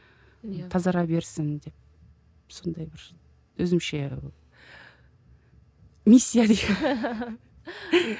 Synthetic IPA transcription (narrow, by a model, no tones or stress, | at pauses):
t̪ʰɑzɑɾɑbe̞ɾsɪnd̪e̞p̚ | so̞nd̪ɑjbɪɾ | wɵzɪmʃe̞ | misʲːijad̪i